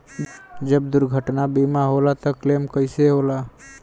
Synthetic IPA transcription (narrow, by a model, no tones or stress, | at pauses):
d͡ʒəbd̪ʊɾɡʱəʈnabimaɦolat̪ɔklemkəɪseɦola